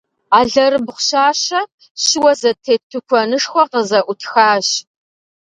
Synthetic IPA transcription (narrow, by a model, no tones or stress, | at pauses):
aːɮɐɾɨbχʷɕaːɕɐ | ɕɪwɐzɐtʰeːtʰːɨkʷʰɔnɨʂxʷɔqəzɐʔʷʊtʰxaːɕ